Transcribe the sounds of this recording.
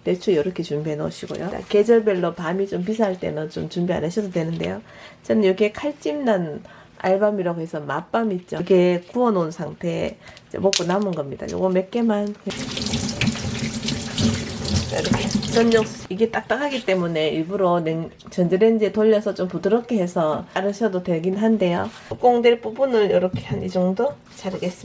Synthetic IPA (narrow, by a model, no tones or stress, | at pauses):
te̞t͡ɕʰujʌɾʌkʰe̞t͡ɕumbianʌ̰ɕʰiɡo̰jo̰da̰ke̞d͡ʑʌɭbe̞ɭːopamit͡ɕomp̬is̬ʰaɦaɭt͈e̞̰nɯnt͡ɕomt͡ɕumbia̰nɦaɕʰʌsʰʌdwe̞nɯnde̞̰jo | t͡ɕʌnɯniɾʌkʰekʰaɭt͡ɕ͈imnan | a̰ɭbamiɾaɡoɦe̞sʰʌmap͈amit̚t͡ɕ͈okʰe̞kuʌnonsʰaŋtʰe̞id͡ʑḛmok͈onamɯnɡʌmɲida̰t͡ɕo̰ɡome̞k͈e̞manket͡ɕʰ | kʰet͡ɕʌnɲʌksiɡe̞t͈ak̚t͈akʰaɡit͈e̞mune̞iɭbuɾoneŋ | t͡ɕʌnd͡ʑeɾend͡ʑetoʎːʌsʰʌt͡ɕ͈ompudɯɾʌkʰe̞ɦe̞sʰʌaɾɯɕʰʌdotwe̞ɭɡinnɦande̞jo | k͈oŋdweɭpubunɯɭjʌɾʌkʰeɦanid͡ʑʌŋdo | t͡ɕaɾɯɡes͈ɯ